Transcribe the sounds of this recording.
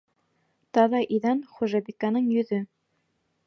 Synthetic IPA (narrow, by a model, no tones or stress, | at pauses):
t̪ɑðɑʔiðænχuʒɑbikanɤɴjɵ̆ðɵ